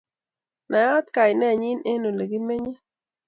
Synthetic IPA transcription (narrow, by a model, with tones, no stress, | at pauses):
na˨a˦t̪ka˨jnɛ˦˨ɲi˦ne˦no˨le˨ɡi˦me˦ɲe˦